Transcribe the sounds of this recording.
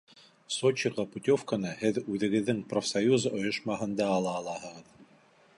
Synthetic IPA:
sot͡ɕiʁɤput̪ʲofkənɤhɘðʉðɘ̆ɡɘ̆ðːɘŋprofsɐjuzŏjŏʃmɑɦɤ̆nd̪ɑːlˠɑːlˠɑhɤ̆ʁɤð

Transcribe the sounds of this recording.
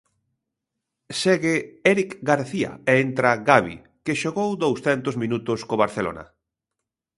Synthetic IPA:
sɛɣeɛɾikɡaɾθia̰eent̪ɾaɣaβḭ | keʃoɣowd̪owsθɛnt̪ozmĩnut̪ʊskoβaɾθelo̰nɐ̰

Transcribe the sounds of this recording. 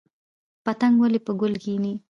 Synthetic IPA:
pat̪aŋɡwalepəɡʊlɡini

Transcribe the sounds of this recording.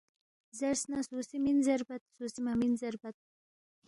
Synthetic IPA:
zæɾsnasusiminzɛɾbat̪susimaminzɛɾbat̪̚

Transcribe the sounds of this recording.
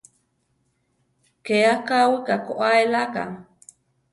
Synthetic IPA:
keakawikakoʔaelaka̰

